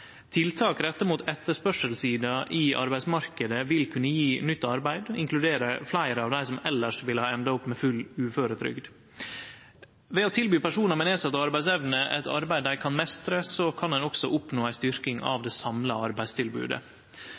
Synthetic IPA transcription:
t̪ʰɪlt̪ʰɑːkɾɛt̪ːəmuːt̪ɛt̪ːəʂpœʂəlsiːd̪ɑʔɪʔɑ̰ɾbæɪsmɑɾkəd̪əʋɪlkʰʉnːəjiːnʏt̪ːɑɾbæɪd̪ɪŋklʉd̪eːɾəflæɪɾəɑʋd̪æɪsɔmɛlːəʂʋɪlhɑːɛnd̪ɑʊpːmɛfʉlʉːføːɾət̪ʰɾʏ̰ɡd̪ | ʋɛoːt̪ʰɪlbyːpæʂuːnəɾmɛneːsɑt̪ːɑɑɾbæɪsɛʋnəʔɛt̪ɑ̰ɾbæɪd̪æɪkʰɑnmɛst̪ɾəsɔkʰɑnd̪ɛnɔksɔʔʊpnoːæɪst̪ʏɾkɪŋɑ̰ʋd̪ɛsɑmləɑɾbæɪd̪st̪ʰɪlbʉ̰ːd̪ə̰

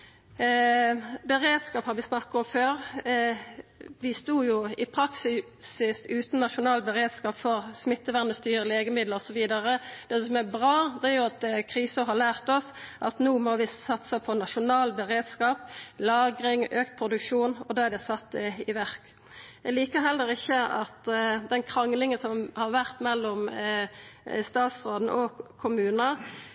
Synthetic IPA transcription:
bəʁeːd̪skɑːphɑɾʋɪsnɑkːɑɔmføːʁ | ʋɪst̪uːjʊɪpʰɾɑksɪ | sɪsʉːt̪n̩nɑʃʊnɑːlbəʁeːd̪skɑːpfɔʁsmɪt̪ːəʋæʁnəst̪yːʁəleːɡəmɪd̪ləɔsɔʋiːd̪ɑʁəd̪̥ɛssɔmæbʁɑːd̪ɛæɾjʊɑt̪kʰʁiːsəɦɑlæːʁt̪ɔsʔɑt̪nuːmɔʋɪsɑt̪sɑpʰɔnɑʃʊnɑːlbəʁeːd̪skɑːplɑːɡɾɪŋøːkt̪pʰʁʊd̪ʉkʂuːnɔd̪ɑːæɾd̪ɛsɑt̪ːɪʋæʁk | ɛliːkəɦɛlːəɾɪçːəɑ̰t̪d̪ɛnkʰʁɑŋlɪŋənsɔmhɑʁʋæʁt̪mɛlːɔm | st̪ɑːt̪sʁoːd̪n̩̰ʔɔkʰʊmʉːnə

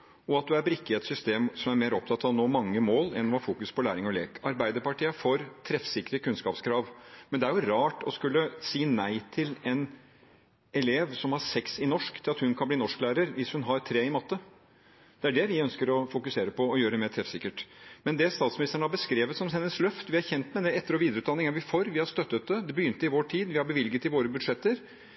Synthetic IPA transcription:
ɔɑt̪̚d̪ʉæɾbɾɪkːet̪sʏst̪eːmsɔmæɾmeːɾɔp̚t̪ɑt̪ːɑʋnoːmɑŋːəmoːlɛ̰nːɔhɑɾfuːkʉspʰɔlæːɾɪŋɔlḛːkɑɾbæɪd̪əɾpɑʈiːəfoɾt̪ʰɾɛfsɪkːəɾəkʉnskɑːpskʰɾɑːʋmɛnd̪ɛæɾjʊɾɑːʈɔskʉlːəsiːnæɪt̪ʰɪlɛn | ɛleːʋsɔmhɑɾsɛksɪnɔʂkt̪ʰɪlɑt̪hʉnkʰɑnbliːnɔʂklæːɾəɾʋɪshʉnɦɑɾt̪ʰɾeːɪmɑt̪ːə | d̪̥ɛæɖɛʋɪœnskəɾɔfʊkʉseːɾəpʰɔɔjøːɾəɖɛmeːɾʈ̪ʰɾɛfsɪkːəʈmɛnd̪ɛst̪ɑːt̪smɪnɪst̪əɳəhɑbəskɾeːʋət̪sɔmhɛnːəslœft̪ʋɪhɑɾçɛnt̪mɛd̪ɛɛt̪ːəɾɔʋiːd̪ɾʉːt̪d̪ɑnːɪŋæɾʋɪfɔɾʋɪhɑɾst̪œt̪ːət̪̚d̪ɛd̪ɛbəjʏnt̪əɪʋoːʈʰiːd̪ʋɪhɑɾbəʋɪlɡət̪ɪʋoːɾəbʉd̪ʂɛt̪ːəɾ

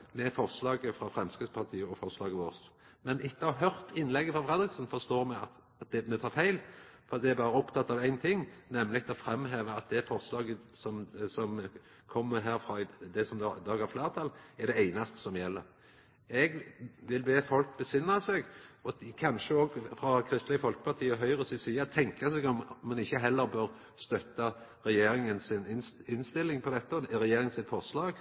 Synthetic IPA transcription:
mɛfɔʁslɑːɡəfɾɑfʁɛmskəspʰɑʁt̪ʰiːəɔfɔʁslɑːɡəʋoːʁsmɛnʔɪt̪ːəɑɦœɾt̪ɪnːlɛɡːəfʁɑfɾʁɛd̪ɾɪksənfɔst̪oːɾmɛɑt̪ | ɑt̪̚d̪ɛmɛt̪ʰɑːɾfæɪlfɔɾɑt̪̚d̪ɛæɾbɑːɾəɔpt̪ʰɑt̪ːɑʋæɪnt̪ʰɪŋːnɛmːlɪɡ̚t̪ʰɪɔfɾɛmːɦeːʋəɑt̪̚d̪ɛfɔʁslɑːɡəsɔmsɔm | kʰɔmːəɾɦæːɾfɾɑd̪ɛsɔmd̪d̪ɑːɡæɾfleːʁt̪ʰɑlːæɖɛæɪnɑst̪ə̥sɔmjɛlːəɾ | ɛɡʋɪlbeːfɔlk̚bəsɪnːɑsɛɡɔkʰɑnʃəɔɡfɾɑkʰɾɪst̪lɪəfɔlkə̥pʰɑʁt̪ʰiːəɔɦœʏʁəsɪsiːət̪ʰɛŋkɑsɛɡɔmmɑnɪçːəɦɛlːəɾbøːʁ | st̪œt̪ːɑɾɛjeːɾɪŋənsɪnɪnɪnst̪ɪlːɪŋpʰɔd̪ɛt̪ːəɔɾɛjeːɾɪŋsɪt̪fɔʁslɑːɡ

